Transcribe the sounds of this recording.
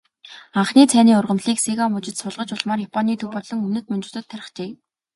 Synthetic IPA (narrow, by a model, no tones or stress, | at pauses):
aɴχniːt͡sʰæːniːʊrʁə̆mɮiːksiɣamɵt͡ɕɪ̆t̪sʊɮʁə̆t͡ɕʊɮmaːrjapʰɔniːt̪ʰɵwpɔɮɞ̆ŋɵmnɘ̆t̪mɵnt͡ɕɪ̥̆t̪ə̆t̪ʰːæɾɪ̆χt͡ɕeː